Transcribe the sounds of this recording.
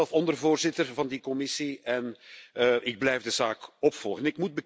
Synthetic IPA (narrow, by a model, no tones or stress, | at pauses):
lˠfɔndərvoːrzɪtərvɑndikɔmɪsiɛn | ʔɪɡ̚blɛjvdəzaːkɔpfɔlˠɣənɪkmud̚bə